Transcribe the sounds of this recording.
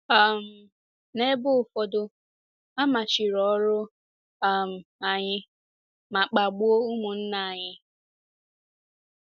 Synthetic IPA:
a˨m̩˨ | ne˦bʊ˦˨fɔ˨dʊ˦ | a˦ma˨t͡ʃɪ˨ɾɔ˨˦ɾʊ˦ | a˨m̩˨a˨ɲɪ˦ | ma˨k͡pa˨ɡ͡bo˦ʊ˦mʊ˨n̩˦na˦˨a˨ɲɪ˦

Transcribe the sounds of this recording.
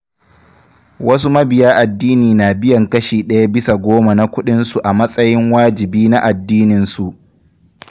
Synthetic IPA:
wɐ˦s̬u˦mɐ˦bɪ˨jaː˦ʔa˨dːiː˦niː˨naː˨bɪ˦jɐ˨ŋkɐ˦ʃiː˨ɗɐ˦ja˦bɪ˦sa˨ɡʷoː˦ma˨na˦kʷʊ˦ɗɪ˦nsu˨ʔa˨mɐ˦sʼɐ˦jɪ˦ŋwaː˦d͡ʒɪ˨biː˦na˦ʔa˨dːiː˦nɪ˨nsu˨ʔ

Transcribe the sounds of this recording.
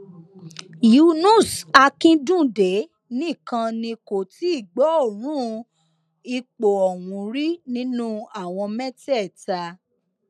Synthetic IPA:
ju˧˦nũ˦˨sa˧kĩ˦dũ˦˨de˨˦ | nĩ˦˨kã˧nĩ˧ko˨ti˨˦i˦˨ɡ͡bɔ˨˦o˦˨ɾ̃ũ˦ | i˧k͡po˨ɔ˨wũ˨˦ɾi˦nĩ˦nũ˦a˦˨w̃ɔ̃˧mɛ̃˦tɛ˦˨ta˧

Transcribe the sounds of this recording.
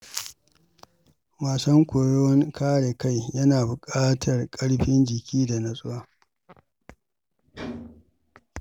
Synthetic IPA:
waː˨sɐ˦ŋkʷʊ˨ɽo˦ŋkʰaː˦ɽe˨ka˦jjɐ˦naː˨bʊ˨kʼaː˦tʰɐ˨rkʼɐ˦ɽɸɪ˦nd͡ʒɪ˨kʲʰiː˦da˨nɐ˨sʼʊ˦waː˦

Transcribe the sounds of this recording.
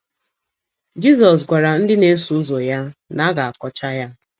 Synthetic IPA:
d͡ʒi˦s̬ɔ˨s̬ɡʷa˨ɾa˨n̩˦dɪ˦ne˦su˦u˦zo˨ja˦na˦ɡa˨a˨kɔ˦t͡ʃa˦ja˦

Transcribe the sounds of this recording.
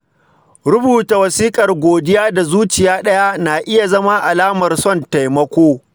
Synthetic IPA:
ɾʊ˦buː˨ta˨wɐ˨siː˦kʼɐ˨rɡʷoː˨dɪ˦jaː˦da˨zuː˦t͡ʃɪ˨jaː˦ɗɐ˦ja˦naː˨ʔɪ˦ja˨zɐ˦ma˦ʔa˨laː˦mɐ˨rsɔ˦˨nta˨jmɐ˦kʷoː˦

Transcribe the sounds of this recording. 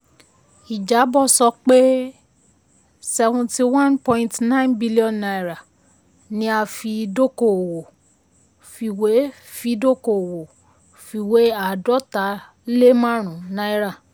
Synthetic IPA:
i˨d͡ʒa˨˦bɔ˦˨sɔ˧k͡pe˦ | sɛ˧vũ˧ti˧wã˦npɔ̃˧ĩ˧tnã˦ĩ˦nbi˦li˦ɔ̃˨nːa˧i˨ɾa˨ | nĩ˦a˧fi˧do˦ko˨wo˨ | fi˧we˨˦ | fi˧do˦ko˨wo˨ | fi˧we˨˦a˦˨dɔ˦ta˨˦ | le˦mã˦ɾ̃ũ˨na˧˦i˦ɾa˦˨

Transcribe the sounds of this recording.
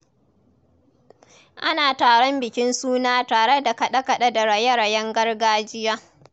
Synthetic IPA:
ʔa˦naː˨taː˨ɽɔ˦mbɪ˨kʲɪ˦nsuː˦naː˦taː˨ɽe˦da˨kɐ˨ɗɐ˦kɐ˨ɗɐ˦da˨ɽɐ˨jɐ˦ɽa˨jɐ˦ŋɡɐ˦rɡaː˦d͡ʒɪ˦jaː˦

